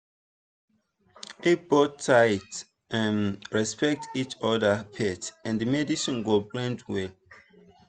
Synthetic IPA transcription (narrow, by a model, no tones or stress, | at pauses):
it̚b̥ɔtʰːaɪt | ãnɹɛspɛk̚tit͡ʃɔdəpʰɛtãndimɛdisɔ̃nɡoblɛ̃ndwɛ